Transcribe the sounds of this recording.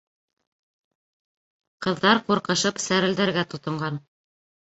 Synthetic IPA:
qɤ̆ðːɑɾquɾqɤ̆ʃɤpsæɾɘ̆ld̪æ̆ɾɡæt̪ŏt̪ɤ̆ɴɢɑn

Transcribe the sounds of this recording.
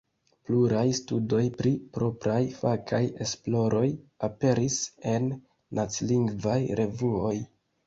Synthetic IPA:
pluɾajstudo̞jpɾipɾo̞pɾajfakʰaje̞splo̞ɾʔo̞jape̞ɾise̞nː | at͡sliŋɡvajɾʔe̞vuo̞j

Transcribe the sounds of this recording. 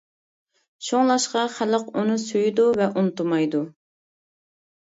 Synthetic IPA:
ʃoŋlˠɑʃqɑχæləqunɨsyjd̪uvɛʔunt̪umɑjd̪u

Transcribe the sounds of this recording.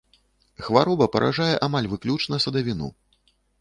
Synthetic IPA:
xvaɾɔbɐpɐɾʔa̰ʐajɛʔamalʲvɨklʲut͡ʂnɐsɐd̪avʲinṵ

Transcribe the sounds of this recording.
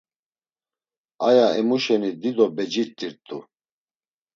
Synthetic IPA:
ajaɛmuʃɛnid̪id̪ɔbɛd͡ʒiɾt̪ʼːiɾt̪ʼṵ

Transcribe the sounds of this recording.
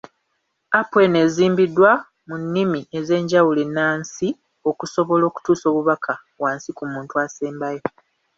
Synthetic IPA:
apwe̞ne̞ːziːmbidwa | munːimie̞ze̞ːɲɟawulenaːnsi | o̞kuso̞βo̞lo̞ːku̥tuːso̞ːβuβakʰa | βwaːnsikumuːntuaseːmbajo

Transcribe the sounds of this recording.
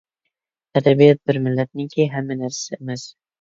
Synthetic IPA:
t̪ʰad̪abijɒt̪̚bɪɾmɪlːat̪̚nɪŋkʰʲeɦamːanaɾsaemas

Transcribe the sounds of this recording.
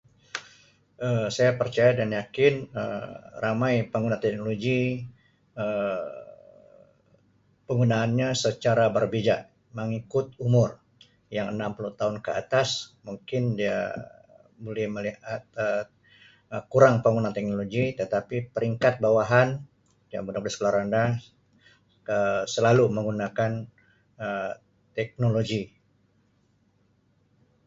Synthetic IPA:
ʔəsajapərt͡ʃajadanjakɪnə̰ramajpəŋɡunat̪ɛk̚noloɡi | ə | pəŋɡunaːnɲasət͡ʃaɾabərbid͡ʒaʔ | məŋikʊt̪umʊr | jaŋənampuluht̪aunkəa̰t̪asmuŋkɪndia̰ | bolɛhməlihat̪̚ə | kuɾaŋpəŋunaŋt̪ɛk̚noloɡit̪ət̪apipəɾiŋkat̪̚bawaɦan | d͡ʒa̰mbudaŋblaskəlaɾanda | əsəlaluməŋɡunakan | ə | t̪ɛk̚noloɡi

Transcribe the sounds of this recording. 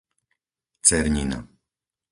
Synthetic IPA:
t͡sɛɾɲina̰

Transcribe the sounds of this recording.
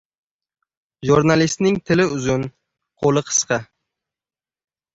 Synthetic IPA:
ʒuɾnalist̪nɪŋt̪ʰɪlɪʊzʊn | qʰolˠɨqʰɨ̥sqʰɑ

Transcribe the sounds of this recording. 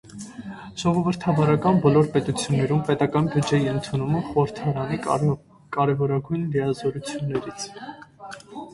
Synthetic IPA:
ʒ̥ɔʁɔvəɾt̪ʰɑvɑɾɑkɑnbɔlɔɾpɛt̪ut͡sʰjunːɛɾumpɛt̪ɑkɑnbjud͡ʒɛjiənt̪ʰunuməχɔəɾt̪ʰɑɾɑni | kɑɾɛvɔɾɑɡujnlijɑzɔɾut͡sʰjunːɛɾit͡sʰ

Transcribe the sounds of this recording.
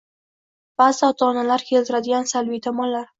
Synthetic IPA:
b̥azɪɒt̪ʰɒnalaɾkʲʰe̞lt̪ɪɾad̪ɪɡʲansalvit̪ʰɒmɒnlːaɾ

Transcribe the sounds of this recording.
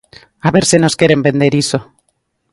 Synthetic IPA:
aβeɾseno̞skje̞ɾe̞mbe̞nd̪e̞ɾiso

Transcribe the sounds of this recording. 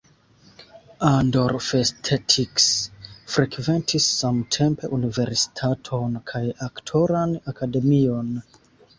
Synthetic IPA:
andoɾfestʰetʰiksfɾekve̞ntʰisːamtʰe̞mpe̞ʔunive̞ɾsi̥tʰatʰo̞nkʰajaktʰoɾanakʰade̞mio̞n

